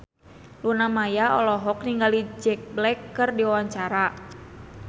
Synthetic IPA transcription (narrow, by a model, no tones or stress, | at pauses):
lunamajaɔlɔɦɔk̚niŋɡalid͡ʒɛk̚blɛkːɨrdiawaɲt͡ʃaɾa